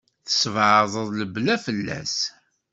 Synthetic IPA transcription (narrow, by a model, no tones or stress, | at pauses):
θə̥svʕəðˤəðˤləblæfəlːæ̰s